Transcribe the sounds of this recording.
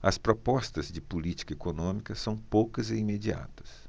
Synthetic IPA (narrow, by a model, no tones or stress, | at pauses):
ɐspɾɔpɔst̪ɐzd͡ʒɪpulit͡ʃi̥kɐekonõmikɐsɐ̃w̃powkɐzeimed͡ʒia̰t̪ɐ̥s